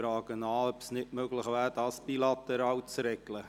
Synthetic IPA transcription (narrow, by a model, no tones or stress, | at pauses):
ɾɑːɡ̥ənɑːœpsnɪtmøɡlɪχvæːɾd̥ɑːsb̥ilɑt̪ɛɾɑːwt͡sɾɛɡlə